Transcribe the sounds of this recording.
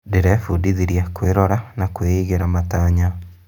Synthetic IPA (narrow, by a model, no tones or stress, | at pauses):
deɾɛfudiðiɾjakweɾɔɾanakweiɣeɾamataːɲa